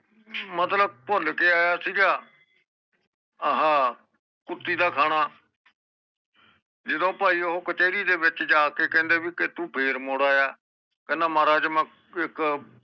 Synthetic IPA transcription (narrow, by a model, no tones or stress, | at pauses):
mət̪ləb̚pʊlkeːaːjaːsiːɡaː | ɦãː | kʊt̪ːiːd̪aːkʰaːɽ̃aː | d͡ʒɪd̪õːpaːiːɦoːkət͡ʃeːɾiːd̪eːʋɪt͡ʃd͡ʒaːkeːkɛ̃ːnd̪eːbiːkɪt̪ũːpʰeːɾmoːɽaːjaː | kənãːmaːɾaːd͡ʒmãː | ɪk